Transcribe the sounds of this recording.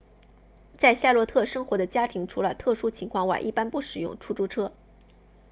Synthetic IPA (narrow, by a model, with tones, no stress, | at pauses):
t͡sa˥˧ɪɕja˥˩lwɔ˥t̪ʰɤ˥˩ʂɤ˥ŋxwɔ˧˥d̪ə˧t͡ɕja˥t̪ʰi˧˥ŋʈ͡ʂʰu˧˥lə˨˩t̪ʰɤ˥˩ʂu˥t͡ɕʰi˧˥ŋkʰwɑ˥˩ŋwa̰˨˩nʔi˥˩pa˥npu˥˩ʂɻ̩˨˩jʊ̰˥˩ŋʈ͡ʂʰu˥ʈ͡ʂu˥ʈ͡ʂʰɤ˥